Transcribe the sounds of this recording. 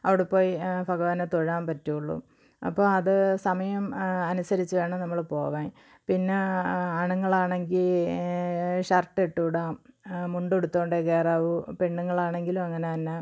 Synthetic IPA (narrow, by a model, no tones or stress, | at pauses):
ɐʋiɽepːo̞ːjifɐɣɐʋɐnɐt̪oɻaːmpɐtːuuɭːṵ | ɐ̰pːoːɐðɨsɐmɐjɐmɐnusɐɾit͡ɕːɨʋe̞ːɳɐnɐmːɐɭpo̞ːʋaːji | pinːeɐɳuŋːɐɭaːɳe̞ŋɡil | ɕɐrʈːeʈːuːɽaːmmuɳɖeɽut̪ːo̞ːɳɖekeːraːʋɨpe̞ɳːuŋːɐɭaːɳe̞ŋɡilumɐŋːɐnetɐnːe